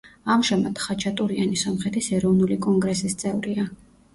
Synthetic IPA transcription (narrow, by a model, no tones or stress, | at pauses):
amʒamat̪χat͡ʃʰat̪ʼuɾianisɔmχɛt̪ʰisɛɾɔvnulikʼɔŋɡɾɛsist̪sʼɛvɾia